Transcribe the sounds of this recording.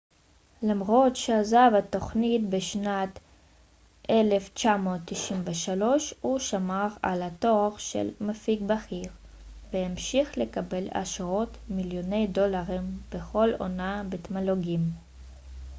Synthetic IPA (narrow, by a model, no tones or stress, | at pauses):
lamʁo̞tʃeazavato̞χnitbeʃnat | ʔele̞ft͡ʃamo̞t̪ːiʃimveʃalo̞ʃhuʃamaʁa̰lato̞aʁʃḛlmafiɡbaχiʁ | veemʃiχle̞kabe̞la̰ʃʁo̞tmiljo̞ne̞jdolaʁimb̥eχo̞lo̞̰nabet̪maloɡim